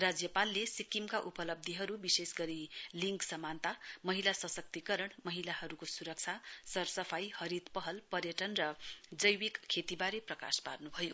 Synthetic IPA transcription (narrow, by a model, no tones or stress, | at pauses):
rad͡zjʌpalːesikimkaʔupʌlʌb̚d̪ʱiɦʌɾubisesɡʌɾiliŋksʌmant̪amʌɦilasʌsʌk̚t̪ikʌɾʌɽmʌɦilaɦʌɾukosuɾʌk̚t͡sʰasʌrsʌpʰajhʌɾit̪pʌɦʌlpʌrjʌʈʌnrʌd͡zʌjwikkʰːet̪ibaɾeprʌka̰spa̰rnubʱʌjo